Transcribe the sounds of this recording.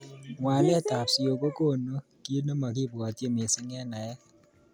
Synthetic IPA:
ŋwa˨lɛ˦ta˨psi˨o˨ko˦ko˦˨no˦ | ki˦no˦ma˨kɪ˦ba˨tje˦mɪ˨sɪ˦ŋɛ˦na˨jɛ˦

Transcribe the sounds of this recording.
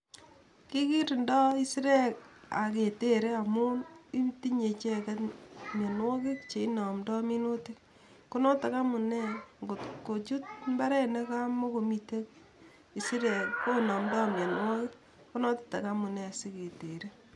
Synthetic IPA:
ki˦ki˦ɾndɔ˦i˦sɾe˦˨ka˨ke˨te˦ɾe˦a˨mʊ˦i˦mti˦ɲe˨t͡ʃe˦ka˦tmja˨nwɔ˦kɪ˦k̚t͡ʃe˨i˦nɔ˨mdɔ˦mi˦no˦ti˦k̚ | ko˦nɔ˦ta˨ka˦mʊ˨nɛ˦ŋɡo˨tko˨t͡ʃu˦t̚mba˦ɾɛ˦nɛ˦ka˦mo˦ko˨mi˨te˦k̚ | i˨si˦ɾe˨lko˦nɔ˨mdɔ˦mja˨nwɔ˦kɪ˦k̚ | ku˦nɔ˦tḁ˨ta˨ka˦mʊ˨nɛ˦a˨si˦ke˨te˨ɾe˦

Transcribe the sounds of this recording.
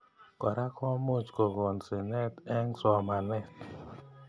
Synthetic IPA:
kɔ˨ɾa˦kʰɔ˦mo˦t͡ʃko˨ɡo˨nsi˨nɛ˦tɛ˦ŋsɔ˨ma˨lɛ˦˨t

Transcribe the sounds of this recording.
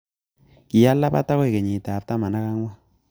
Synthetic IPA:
kɪ˨ja˦lːa˦pa̰˦ta˦kɔ˦˨ke˨ɲi˨ta˨p̚ta˦ma˨na˦ka˦ŋwɔ˦

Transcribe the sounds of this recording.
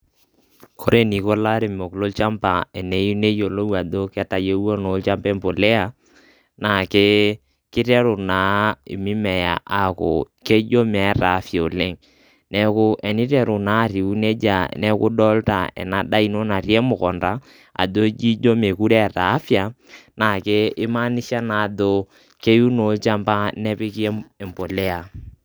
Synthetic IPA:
kʰo˨ɾe˦ni˨ko˦la˦ɾe˨mo˨klo˦lt͡ʃa˦mpa˨ɛ˨ne˨˦ju˦ne˦jo˨lo˦wa˨do˦kɛ˦ta˨je˦wo˦no˨˦lt͡ʃa˦mpɛ˦mpo˨lɛ˦a˨ | na˨ke˦ | kɪ˦tɛ˦ɾʊ˨na˨ḭ˨mi˦mɛ˨ja̰˨ʔa˨kʊ̰˨ | ke˦d͡ʒo˦mɛ˨˦ɾa˨˦fja˨o˨le˦ŋ | nɛ˨kʊ˦ʔɛ˨ni˦ɾɛ˦˨ɾu˨na˨˦˨ɾi˨u˦ne˦d͡ʒa̰˨nɛ˦kʊ˦dɔ˦lta̰˨ɛ̰˨na˨ɗa˦i˨˦no˦na˨ɾi˦e˦mʊ˨kɔ˨nda˦ | a̰˨do˦d͡ʒi˦d͡ʒo˦me˨ku˦ɾɛ˦˨ɾa˨˦fja˨ | na˨ke˦ɪ˦ma˦ni˦ʃa˦na˨do˦ | ke˦ju˦no˨˦t͡ʃa˦mba˦nɛ˦pɪ˦ki˦e˦ɛ˨mpo˨lɛ˦a˨

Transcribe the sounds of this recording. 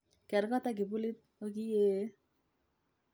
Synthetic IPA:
kɛ˨ɾkɔ˦ta˦k̬ɪ˨pu˦li˦t̪̚o˦ki˦je˦

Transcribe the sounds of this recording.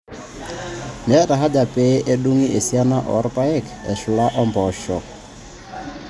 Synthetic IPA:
nɛ˨˦ɾa˨ɦa˦d͡ʒa˨pe˦ʔe˦ɗu˦ŋi˦ʔe˨si˦a˦na˦ʔɔ̰˨˦ɾpa˦ɛ˦˨kɛ˨ʃʊ˨la˦ʔɔ˦mbɔ˨ʃɔ˨

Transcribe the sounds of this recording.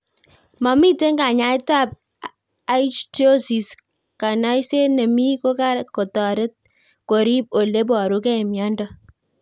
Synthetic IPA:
mɔ˨mi˦te˦ŋka˨ɲa˨˦ɪ˦ta˦˨p̚ | a˦i˦t͡ʃto˦si˨s | ka˨nɔ˦jse˦ne˨mi˦ko˦ka˦ɾkɔ˨tɔ˨ɾɪ˦t̚ | ko˨ɾi˦p̚o˨le˦bɔ˨ɾu˨˦kɛ˦ɛ˨mjɔ˦ndɔ˦

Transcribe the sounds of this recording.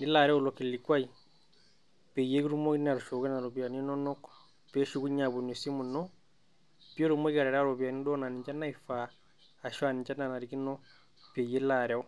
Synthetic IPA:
ni˦la˨ɾɛ˦u˦˨lɔ˨ki˨li˨kwa˦i | pɛ˨je˦ki˦ɾu˦mɔ˦ina˨ɾu˨ʃɔ˨kɛ˦na˨ɾɔ˨βja˨ni˦nɔ˦nɔ˦k | pɛ˦ʃu˦ɣu˦ɲa˨βu˨no˨si˦mu˨nɔ˦ | pjo˦ɾumɔ˦kia˨ɾɛ˨ɾa˦ɾɔ˨βja˨ni˦dɔ˦na˨ni˨ɲt͡ʃa˦na˦ifaː˨ | ʃwa˨ni˨ɲt͡ʃa˦na˨na˨ɾiki˦nɔ˦ | pɛ˨je˦la˨ɾɛɔ˦

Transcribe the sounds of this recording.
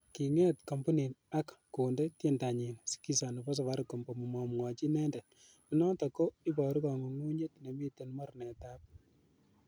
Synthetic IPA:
ki˨ŋɛ˦tko˨mbu˦ni˨na˦kːo˨nde˦tje˦nda˨ɲi˨nsi̥ki˦sa˨nu˨bɔ˦s̬ɔ˨wa˦ɾko˨mbo˨mu˨mɔ˨mŋɔ˨t͡ʃi˦nɛ˦ndɛ˨ | mi˦nɔ˦tɔ˨ko˦i˦bɔ˨ɾu˦kɔ˨ŋo˨ŋu˦ɲe˦tne˨mi˦te˨nmɔ˦ɾnɛ˨ta˦p̚

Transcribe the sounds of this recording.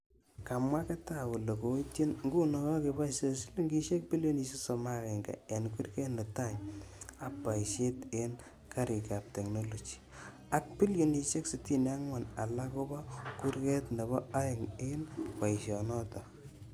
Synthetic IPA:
ka˨mwa˦ke˦ta˦wu˨lo˨ko˨˦ti˦nŋɡu˦no˨kɔ˦ke˨ba˦se˦slŋɡi˦ʃe˦k̚pi˦ljo˦ni˧se˦so˨ma˦ke˨ŋɡa̰˨a˨nku˦rke˦nde˨ta˦˨ɲa˦pːa˨iʃe˦te˦n | ka˦ɾi˨ka˨p̚te˨kno˦lo˨t͡ʃi̥˨ | a˦k̚pi˦ljo˦˨ni˨ʃe˦ksi˨ti˦na˦ŋwa˨na˨la˦ko˦bɔ˦ku˦ɾke˦tnde˨bɔ˦a˦jɪ˨ŋe˦npa˨i˨ʃɔ˨nɔ˦tɔ˨

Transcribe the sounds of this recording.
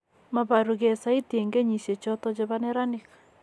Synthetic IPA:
ma˨βa˨ɾu˨ɣe˨sa˨˦i˦tje˨ŋɡe˦ɲi˨se˨t͡ʃɔ˦tɔ˦t͡ʃe˦βa˦ne˦ɾa˦ni˨kḁ

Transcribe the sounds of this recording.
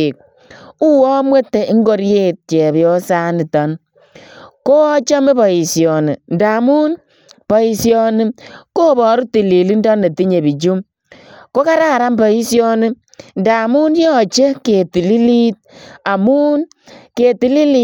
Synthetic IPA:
i˨k̚ | u˦wɔ˦mwe˦tːe˨i˦ŋɡo˦ɾje˦t̚t͡ʃɛ˨bjɔ˦sa˦ni˨tɔ˨˦n | ko˦ɔ˦t͡ʃa˦me˦bɔ˨i˨sjɔ˨ni˨n̩˨da˨mu˦n | pɔ˨i˨sjɔ˦ni˦ko˦bɔ˨ɾu˦ti˨li˨li˦n˦dɔ˦nːe˨ti˦ɲe˨bi˨t͡ʃu˦m | ko˦ka˦ɾa˦˨ɾa˦mbɔ˨i˦sjɔ˦nɪ˦ | n˨da˨mu˦n˦jɔ˦˨t͡ʃe˦ke˨ti˨li˦li˦t̚a˨mu˦n | ke˨ti˨li˦li˦

